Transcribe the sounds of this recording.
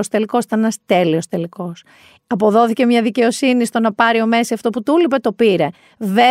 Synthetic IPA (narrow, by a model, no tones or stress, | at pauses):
ost̪e̞liko̞sit̪ɐnenɐst̪e̞lio̞st̪e̞liko̞s | ɐpo̞ðo̞θice̞mɲɐðice̞o̞sinist̪o̞nɐpɐɾio̞me̞siɐft̪o̞put̪ulipe̞t̪o̞piɾe̞ | ve